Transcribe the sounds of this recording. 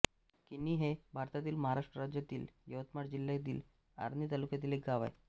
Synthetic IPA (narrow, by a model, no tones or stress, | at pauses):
kinːiɦebʱaɾt̪at̪iːlməɦaɾaʂʈɾəɾad͡ʑjat̪iːljəʋət̪maɽd͡ʑiljat̪̬iːl | a̰ɾnit̪alukjat̪iːlek̚ɡaʋaj